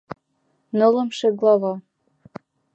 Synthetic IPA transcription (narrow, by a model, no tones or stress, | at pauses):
nɤ̆lɤ̆mʃĕɡlɑvɑ